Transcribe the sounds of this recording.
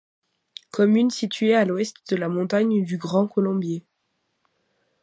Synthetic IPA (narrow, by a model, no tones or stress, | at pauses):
kʰɔmynsit̪ɥealwɛst̪d̪əlamɔ̃t̪aɲd̪yɡʁɑ̃kɔlɔ̃bje